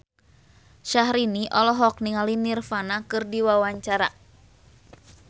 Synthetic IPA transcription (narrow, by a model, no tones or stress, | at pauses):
ʃaɦɾiniʔɔlɔɦɔk̚niŋalinirfanakɨrdiwawaɲt͡ʃaɾa